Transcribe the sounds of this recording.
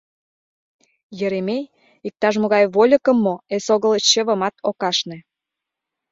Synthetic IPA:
jə̆ɾemej | ik̚t̪ɑʃ̬moɣɑjβolʲə̆kə̆mːoesoɣə̆lə̆ɕə̆βə̆mɑt̪okɑʃnĕ

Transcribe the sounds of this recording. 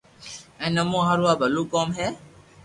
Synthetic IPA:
ɛ̃nɔmũɦaɾuabalukɔmɦɛ

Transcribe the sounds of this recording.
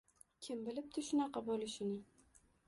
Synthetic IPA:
kʲʰɪmbɪlɪp̚t̪ʰɪʃʊnɑqʰɑbɒlˠɪʃɪnɪ

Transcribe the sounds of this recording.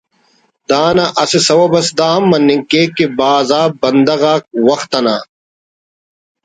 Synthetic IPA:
d̪aːnɐʔɐsesɐwɐbɐsd̪aːɐmːɐnːiŋkeːkebaːzaːbɐnd̪ɐɣaːk̚wɐxt̪ɐnaː

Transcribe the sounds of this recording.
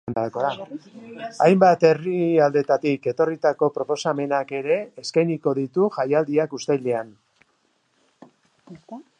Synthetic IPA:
nd̪aɾakoða | ajmbat̪e̞riald̪e̞t̪at̪ike̞t̪o̞rit̪ako̞pɾopo̞same̞nake̞ɾe̞ːskajniko̞ðit̪uʝajald̪iakust̪ejle̞an

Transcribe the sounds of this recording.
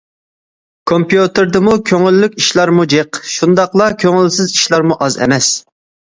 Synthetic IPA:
kʰompjut̪ɨɾd̪ɨmukʲʰøŋɪlːykʲiʃlˠɑɾmud͡ʒeqʃund̪ɑqlˠɑkʲʰøŋɪlsɪziʃlˠɑɾmuʔɑzɛ̰mɛs

